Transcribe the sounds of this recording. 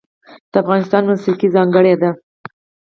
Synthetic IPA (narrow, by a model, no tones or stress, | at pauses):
d̪̥əafɣɑnɪs̬t̪ɑnmusikizɑŋɡəɽed̪a